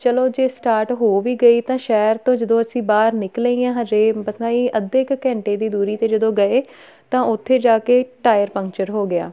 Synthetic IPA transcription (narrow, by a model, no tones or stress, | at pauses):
t͡ʃəloːd͡ʒeːsʈaːɾʈɦoːʋiːɡəiːt̪ãːʃɛːəɾt̪õːd͡ʒəd̪õːəsĩːbaːɾnɪkləiːjãːɦəd͡ʒeːbəsnaːiːʔəd̪ekːɛ̃ːɳʈeːd̪iːd̪uːɾiːt̪eːd͡ʒəd̪õːɡəeː | t̪ãːʔʊt̪ʰːeːd͡ʒaːkeːʈaːjəɾpə̃ŋkt͡ʃəɾɦoːɡɪa̰ː